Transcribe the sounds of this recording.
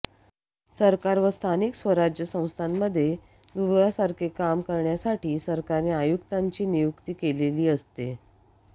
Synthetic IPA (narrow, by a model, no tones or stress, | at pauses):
səɾkaɾʋəst̪ʰaniksʋəɾad͡ʑjəsə̃w̃st̪ʰamːəd̪ʱːje | d̪uʋjasaɾkʰekamkəɾɳjasaʈʰiːsəɾkaɾiajukt̪aɲt͡ɕiːnijukt̪iːkeleliːəst̪e